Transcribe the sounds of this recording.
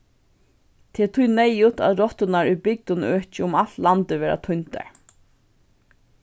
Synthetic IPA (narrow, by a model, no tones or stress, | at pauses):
t̪ʰɛːt̪ʰʊjnɛjʊt̪ʰa̰ðɾɔt̪ənaɹʏbɪk̚t̪ʊnøːt͡ʃɪʊmal̥t̪lant̪ɪʋɛːɾʔa̰t̪ʰʊnt̪a̰ɹ